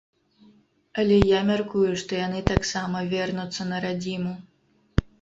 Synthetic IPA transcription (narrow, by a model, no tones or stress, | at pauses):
ɐlʲɛjamʲarkujuʂt̪ɔjan̪ɨt̪aksamɐvʲɛrnut̪sːɐnɐɾad͡zʲimu